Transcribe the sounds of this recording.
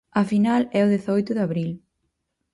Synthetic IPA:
ɐfinalɛʊðeθɔjt̪ʊðaβɾil

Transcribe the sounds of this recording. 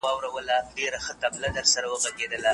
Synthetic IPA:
ɑwɾawəlaɖeɾaxət̪ablad̪əɾsaɾawəɣaɡed̪əla

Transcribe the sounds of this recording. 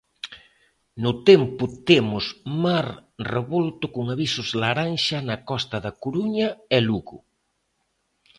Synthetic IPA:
nʊt̪empʊt̪emʊsmaɾreβolt̪ʊkʊŋaβisʊzlaɾanʃanɐkɔst̪ɐðakuɾuɲaɛluɣʊ

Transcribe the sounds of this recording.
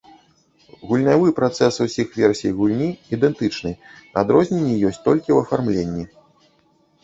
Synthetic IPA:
ɣulʲnʲavɨpɾat̪sɛsuwsʲixvʲɛrsʲijjɣulʲnʲiid̪ɛnt̪ɨt͡ʂnɨnad̪ɾɔzʲnʲenʲːɛjɔsʲt͡sʲt̪ɔlʲkʲiwɐfarmlʲenʲːi

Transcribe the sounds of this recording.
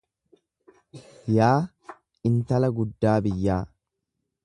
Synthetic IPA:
jaː | ɪnt̪ɐlɐɡʊd̪ːaːbɪjːaː

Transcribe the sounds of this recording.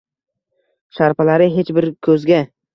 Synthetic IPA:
ʃaɾpalaɾɪɦe̞t͡ʃbɪɾkʲʰɵzɡʲa

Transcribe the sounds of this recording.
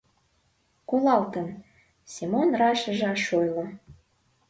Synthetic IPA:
kolɑlt̪ən | sʲimonrɑʃəʒɑʃojlŏ

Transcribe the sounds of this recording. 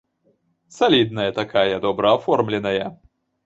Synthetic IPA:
salʲid̪̚nɐjɐt̪akajɐd̪ɔbɾɐːfɔrmlʲɛnɐjɐ

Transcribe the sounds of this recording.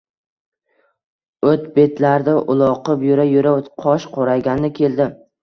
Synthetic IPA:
ɵt̪be̞t̪laɾd̪aʔʊlˠɒqɨpjʊɾajʊɾat̪qʰɒʃqʰoɾajɡʲanlɪkʲʰe̞ld̪ɪ

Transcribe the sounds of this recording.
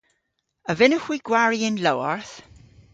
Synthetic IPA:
əvɪnəxwiɡ̥waɹiɪnlowɔɹθ

